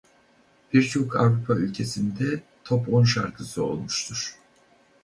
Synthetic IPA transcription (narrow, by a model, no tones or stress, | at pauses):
b̥iɾt͡ʃʰo̞kʰa̰vɾupʰaylʲcʰe̞sind̪ɛ | t̪ʰo̞po̞nʃa̰ɾkʰɯsɯo̞̰lˠmuʃt̪ʰuɾ̥